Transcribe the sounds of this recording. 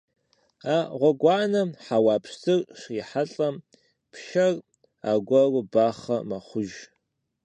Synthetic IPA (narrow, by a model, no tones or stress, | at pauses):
aːʁʷɔɡʷɑːnɐħawaːpʰʂtʰɨrʂiħaɬʼɐm | pʰʃɐr | a̰ːɡʷɐrʊbaːχɐmɐχʷʊʒ